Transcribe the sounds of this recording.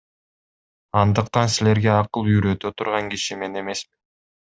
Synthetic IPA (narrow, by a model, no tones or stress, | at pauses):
ɑnd̪ɯqt̪ɑnsile̞ɾɡe̞ɑqɯlˠyjɾø̞t̪øt̪ʰuɾʁɑŋɡiʃime̞ne̞me̞smin